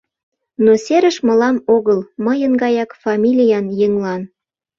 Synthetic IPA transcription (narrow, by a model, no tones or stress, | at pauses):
nosʲeɾə̆ʃmə̆lɑmoɣəlməjənɡɑjɑkfɑmʲilʲijɑnjəŋlɑn